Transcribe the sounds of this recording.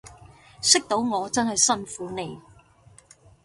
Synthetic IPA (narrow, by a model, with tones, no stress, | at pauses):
sɪ˥k̚t̪o˨˥wŋɔː˨˧t͡sɐ˥nɦɐ˨jsɐ˥nfuː˨˥ne˨˧j